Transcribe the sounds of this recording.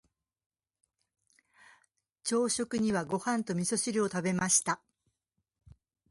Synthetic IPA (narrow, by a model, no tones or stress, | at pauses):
t͡ɕo̞ːɕo̞kɯ̟ɲ̟iβaɡo̞hãnt̪o̞mʲiso̞ɕiɾʲio̞t̪abe̞maɕi̥t̪a